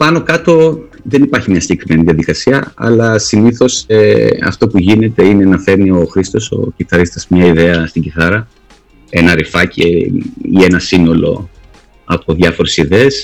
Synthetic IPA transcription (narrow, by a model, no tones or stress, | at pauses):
pɐno̞kɐt̪o̞ | ðe̞nipɐɾçimɲɐsiɲɟekɾime̞niðiɐðikɐsiɐɐ̰lɐsiniθo̞seɐ̰ft̪o̞puʝine̞t̪e̞ine̞nɐfe̞ɾnio̞xɾist̪o̞so̞̰ciθɐɾist̪ɐzmɲɐiðe̞ɐst̪iɲɟiθɐɾɐ | e̞nɐɾifɐcḛie̞nɐsino̞lo̞̰ | ɐpo̞ðʝɐfo̞ɾe̞siðe̞ːs